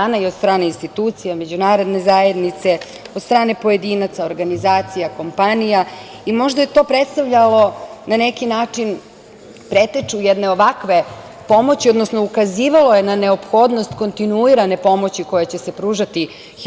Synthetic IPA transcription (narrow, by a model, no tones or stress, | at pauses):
anaiod̪st̪ɾaːne̞inst̪it̪uːt̪sijame̞d͡ʑunaːɾo̞d̪ne̞zaje̞d̪nit̪se | od̪st̪ɾaːne̞po̞je̞d̪iːnat̪saoɾɡanizaːt̪sijako̞mpanija | imo̞ʒd̪aje̞t̪o̞ːpɾet̪st̪aʋʎalo̞nanekinaːt͡ʂin | pɾet̪et͡ʂujed̪ne̞oʋakʋe̞ | po̞mo̞t͡ɕiod̪nosnoukaziːʋalo̞je̞nane̞opxo̞ːd̪no̞st̪ko̞nt̪inuiɾane̞po̞mo̞t͡ɕiko̞jet͡ɕe̞se̞pɾuːʒat̪i